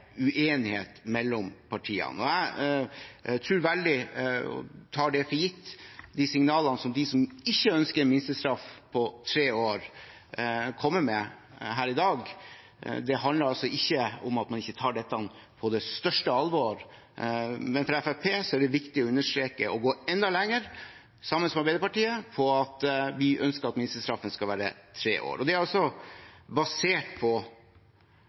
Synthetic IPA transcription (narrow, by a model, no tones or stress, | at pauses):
ʉʔeːnɪhḛːt̪mɛlːɔmpʰɑʈʰiːɑ̰nɔæ | t̪ʰɾʉːɾʋæld̪ɪɔ̰t̪ʰɑːɖɛfɔjɪt̪ːd̪isɪŋnɑːlənəsɔmd̪ɪsɔmɪçːəœnskəɾmɪnst̪əst̪ɾɑfpʰɔt̪ʰɾeːoːɾ | kʰɔmːəmɛ | ɦæːɾɪd̪ɑːɡ | d̪ɛɦɑnləɾɑlsɔɪçːəʊmɑt̪mɑnɪçːət̪ʰɑːɖɛt̪ːɑn | pʰɔd̪ɛst̪œʂʈəɑlʋoːɾ | mɛnfɾɑɛfæpʰeːsɔæɖɛʋɪkt̪ɪɔʉnːəʂt̪ɾeːkəɔɡoːɛnd̪ɑlɛŋːəɾ | sɑmːənsɔmɛɑɾbæɪd̪əpɑʈiːəpʰɔɑt̪ʋɪʔœnskəɾɑt̪mɪnɪst̪əst̪ɾɑfːənskɑlʋæːɾə̰t̪ʰɾḛːʔo̰ːɾɔd̪ɛæɾɑlsɔbɑseːʈpʰɔ